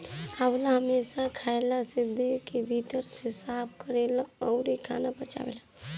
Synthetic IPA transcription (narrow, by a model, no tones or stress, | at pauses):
hawlaɦəmeːsakʰaːelasɪd̪ikebʱit̪əɾsɪsaːb̚kəɾeːlaɔʊɾikʰa̰ːnabət͡ʃa̰wḛːla